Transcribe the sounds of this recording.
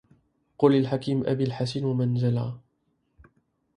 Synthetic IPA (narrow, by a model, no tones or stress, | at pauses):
qʊlalħakiːmʔa̰biːlħasanwamanzala̰